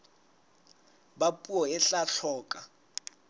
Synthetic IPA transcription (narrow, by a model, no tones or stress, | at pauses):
bapʼuɔɛɬaɬʰɔːkʼa